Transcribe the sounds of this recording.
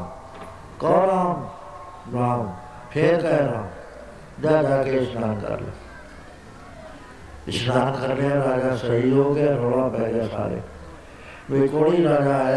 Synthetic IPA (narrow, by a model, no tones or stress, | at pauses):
kɔːɾaːm | ɾaːm | pʰeːɾkaeɾaːm | d͡ʒad͡ʒaːkeɪsnaːnkə̰ɾlḛ | ɪsnaːnkəɾneaɾaːd͡ʒasɐɦiɦoːkat̪ʰoːɽapɛːld͡ʒasʰa̰ːɾḛː | ʋikoːɽiɾaːd͡ʒa